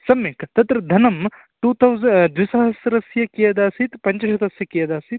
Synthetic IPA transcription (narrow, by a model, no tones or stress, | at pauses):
sɐmikt̪ɐt̪ɾɐd̪ʱɐnɐm | ʈuːt̪ʰɐwzɐd̪ʋisɐɦɐsɾɐsjɐkijɐd̪aːsit̪pɐɲt͡ʃɐʃɐt̪ɐsjɐkijɐd̪aːsit̪